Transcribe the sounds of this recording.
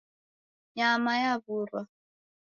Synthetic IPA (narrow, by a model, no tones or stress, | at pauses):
jamajaβuɾwa